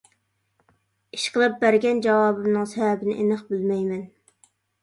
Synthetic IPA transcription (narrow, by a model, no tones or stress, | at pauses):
iʃqəlˠɨp̚bæɾɡʲɛnd͡ʒɑwɑːbɨmnɨŋsɛvɛbɪnɪ̰ʔenɨχbylmɛjmɛn